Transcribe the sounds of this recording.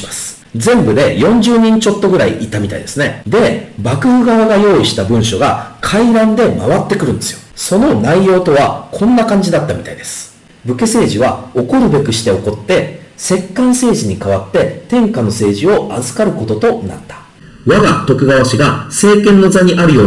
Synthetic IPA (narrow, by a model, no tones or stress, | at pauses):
imasɨ̥ | zẽ̞mbɯ̟d̪e̞jõ̞ɲ̟d͡ʑɨːɲ̟ĩɲt͡ɕo̞t̪ːo̞ɡɯ̟ɾaiʔit̪ːamʲit̪a̰id̪esɨne̞d̪e̞bakɯ̟ɯ̟ɡaβaɡajo̞ːiɕi̥t̪abɯ̟̃ɰ̃ɕo̞ɡakʰaiɾãnd̪e̞ma̰βat̪ːe̞kɯ̟ɾɯ̟nd̪e̞sɨjo̞so̞no̞naijo̞ːt̪o̞β̞akʰõ̞nːakãɲ̟d͡ʑid̪at̪ːamʲit̪aid̪e̞sɨ̥ | bɯ̟ke̞se̞ːʑiβ̞ao̞ko̞ɾɯ̟be̞kɯ̟ɕi̥t̪e̞o̞ko̞t̪ːe̞se̞kːãɰ̃se̞ːʑiɲ̟ikaβat̪ːe̞t̪ẽ̞ŋkano̞se̞ːʑio̞ʔazɨkaɾɯ̟ko̞t̪o̞t̪o̞na̰t̪ːḁ | βaɡat̪o̞kɯ̟ɡaβaɕiɡase̞ːkẽ̞nːo̞zaɲ̟iʔaɾɯ̟jo̞ː